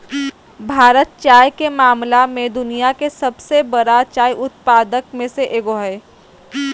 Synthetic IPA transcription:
bʱaːɾət̪̚t͡ʃaːjkemaːmlamẽd̪ʊnijakesɐbsebɐɾat͡ʃaːjʔʊt̪̚paːd̪əkmẽseʔeːɡoːɦəe

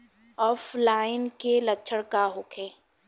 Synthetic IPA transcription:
ɔːflaːɪnkelɐtːʃʰəɽkaɦokʰẽː

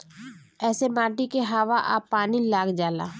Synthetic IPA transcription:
ɛːsemaːʈikeɦaːʋaʔa̰ːpːaːnilaːɡd͡ʒaːla̰ː

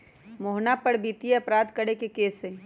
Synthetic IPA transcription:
moɦnapəɽbiːt̪ijeɐpɾaːd̪kəɽekekeːsẽ

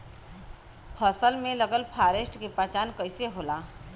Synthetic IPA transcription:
pʰəsəlmẽləɡəlpʰaːɾesʈkepat͡ʃaːnkəɪseɦoːlaː

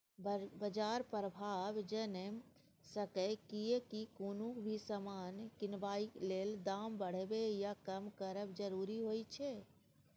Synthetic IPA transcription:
bbəd͡ʒaːɾpɾəbʱaːʋd͡ʒənem | səkɛkiekikunukbʱisəmaːnkɪnʋaːikleːld̪aːmbəɽ̤bejakəmkəɾəbd͡ʒəɾuːɾiɦoːit͡ʃʰɛ

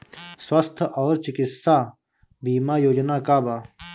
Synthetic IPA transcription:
swɐst̪ʰɔːɾt͡ʃikɪtsaː | biːmaːjoːd͡ʒnaːkaːbaː

